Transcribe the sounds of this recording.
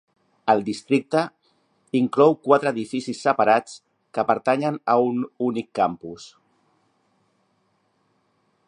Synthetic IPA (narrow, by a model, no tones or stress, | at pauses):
əlˠd̪ist̪ɾik̚t̪ə | iŋklɔwkwat̪ɾəːðifisisːəpaɾat͡s | kəpəɾt̪aɲənəununikːampus